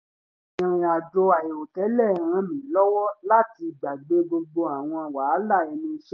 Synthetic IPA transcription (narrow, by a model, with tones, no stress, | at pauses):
ĩ˧ɾ̃ĩ˧a˨d͡ʒɔ˧a˨e˨o˨tɛ˨˦lɛ˦˨ɾ̃ã˧˦mĩ˨˦lɔ˦wɔ˦la˦ti˧ɡ͡ba˨ɡ͡be˨˦ɡ͡bo˧ɡ͡bo˧a˨w̃ɔ̃˧˨wa˨˦la˦˨i˧nĩ˧ʃ